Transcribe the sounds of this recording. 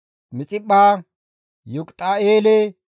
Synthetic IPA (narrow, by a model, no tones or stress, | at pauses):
mɪt͡sʼɪɓaː | jʊkʼt̪ʼaeːlɛ